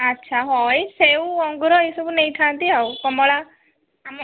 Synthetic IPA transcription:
ətːʃʰaɦɔjsewɔ̃ŋɡɾɔisubunəjʈʰãnt̪iɦaukəmɔɭa | m

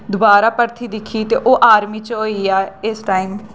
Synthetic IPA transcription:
d̪ʊbaːɾaːpəɾt̪ʰiːd̪ɪkʰiːt̪eːʔoːʔaːɾmiːt͡ʃɦoːiːaːɪsʈaːiːm

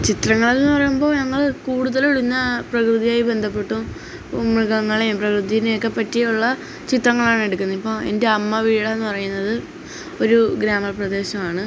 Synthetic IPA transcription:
t͡ɕit̪rɐŋːɐɭelenːɨpɐrɐjumbo̞ːɲɐŋːɐɭkuːɽuðɐloɭinːɐprɐkrɨðijaːjibe̞nd̪ʱɐpːe̞ʈːum | umiɣɐŋːɐɭeprɐkrɨðijinekːepɐtːijuɭːɐ | t͡ɕit̪rɐŋːɐɭaːɳe̞ɽukʲːunːɐipːo̞ːḛnde̞ɐmːɐʋiːɭɐenːupɐrɐjunːɐðɨ | o̞ɾuɡɾaːmɐprɐd̪e̞ːɕɐmaːɳɨ

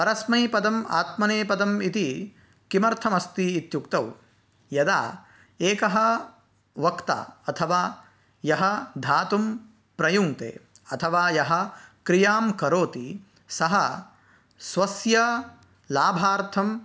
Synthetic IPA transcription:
pɐɾɐsmɐjpɐd̪ɐma̰ːt̪mɐneːpɐd̪ɐmit̪i | kimɐɾt̪ʰɐmɐst̪iːt̪jukt̪ɐw | jɐd̪a̰ː | eːkɐɦɐ̆ | ʋɐkt̪a̰ːɐt̪ʰɐʋaː | jɐɦɐd̪ʱaːt̪um | pɾɐjuŋt̪ḛː | ɐt̪ʰɐʋaːjɐɦɐ̆kɾijaːmkɐɾoːt̪i | sɐɦɐ | sʋɐsjɐ | laːbʱaːɾt̪ʰɐm

